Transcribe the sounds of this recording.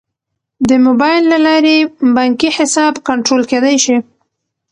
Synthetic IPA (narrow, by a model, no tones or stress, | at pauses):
d̪əmobɑjɪlːalɑɾebɑŋkiħɪsɑbkaɳʈɾolked̪ajʃi